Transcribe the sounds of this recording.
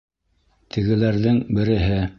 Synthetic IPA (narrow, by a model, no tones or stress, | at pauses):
t̪ʰɘ̆ɡɘ̆læɾðɘŋbɘ̆ɾɘ̆ɦɘ